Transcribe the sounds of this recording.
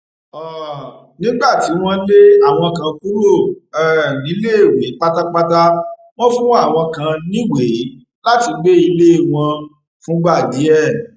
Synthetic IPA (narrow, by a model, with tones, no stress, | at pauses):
ɔ˨ | nĩ˦ɡ͡ba˦˨ti˨˦w̃ɔ̃˦le˦a˦˨w̃ɔ̃˧kã˨ku˦ɾo˦˨ɛ˦˨nĩ˨˦le˦˨we˨˦k͡pa˦ta˦k͡pa˦ta˦ | w̃ɔ̃˦fũ˦a˦˨w̃ɔ̃˧kã˨nĩ˦we˨˦ | la˦ti˧ɡ͡be˦i˧le˦˨w̃ɔ̃˧ | fũ˨˦ɡ͡ba˦˨di˨˦ɛ˦˨